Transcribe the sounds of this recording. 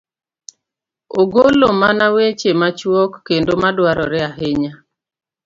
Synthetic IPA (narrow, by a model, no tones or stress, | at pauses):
oɡolomanawet͡ʃemat͡ʃwɔkːendomadwaɾɔɾɛaɦɪɲa